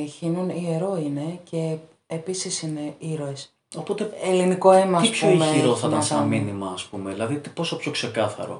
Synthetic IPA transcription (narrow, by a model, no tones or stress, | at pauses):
çinunieɾo̞ine̞ce̞ | episisine̞iɾoes | opo̞t̪eeliniko̞emɐɐispçoimeiɾoθɐt̪ɐsminimɐːspumeðilɐðit̪i̥po̞so̞pçokse̞kɐθɐ̰ɾo̞̰